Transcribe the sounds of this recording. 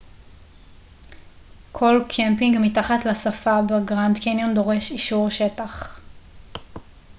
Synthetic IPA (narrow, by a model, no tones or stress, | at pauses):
kʰo̞lkʰempiŋɡmitaχatlasafabeɡʁandkenjondo̞ʁe̞ʃiʃuʁʃetaχ